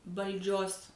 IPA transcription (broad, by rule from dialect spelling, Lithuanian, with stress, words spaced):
ʋɐlʲˈd͡ʒʲoːs